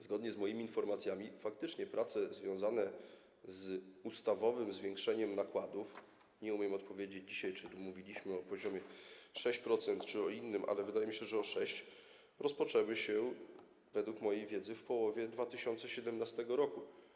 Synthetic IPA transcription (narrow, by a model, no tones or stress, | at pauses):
zɡɔd̪ɲɛzmɔjimʲiːnfɔɾmat̪sʲjamʲifak̚t̪ɘt͡ʂɲɛpɾʔat̪sɛzvʲjɔ̃w̃zanɛ | zust̪avɔvɘmzvʲjeŋkʂɛɲɛmnakwad̪uf | ɲɛumʲjɛmɔt̪pɔvʲjed͡ʑed͡ʑd͡ʑiɕajt͡ʂɘmuvʲilʲiɕmɘɔpɔʑɔmʲjɛʂɛɕt͡ɕpɾɔt̪sɛnt̪t͡ʂɘɔinːɘmʔa̰lɛvɘd̪ajɛmʲiɕɛʐɛɔʂɛɕt͡ɕ | ɾɔspɔt͡ʂɛwɘɕɛ | vɛd̪wukmɔjejvʲjɛd̪zɘfpɔwɔvʲjɛd̪vat̪ɘɕɔnt̪sɛɕɛd̪ɛmnast̪ɛɡɔɾɔku